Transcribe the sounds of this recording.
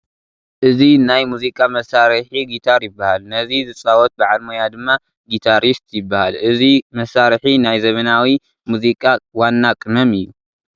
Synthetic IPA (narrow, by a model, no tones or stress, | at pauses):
ʔɨzinajmuzikʼamɐsaɾħiɡit̪ʰaɾjɪbːahalnɐzizɨt͡sʼawɔt̪̚baʕalmojad̪ɨmːa | ɡit̪ʰaɾist̪jɪbːahalʔɨzimɐsaɾħinajzɐmɐnawi | muzikʼawanːakʼɨnɐmɨjːu